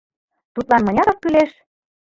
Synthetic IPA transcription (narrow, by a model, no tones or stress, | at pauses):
t̪ut̪lɑnmɤ̆nʲɑɾɤ̆k̚kːyleʃ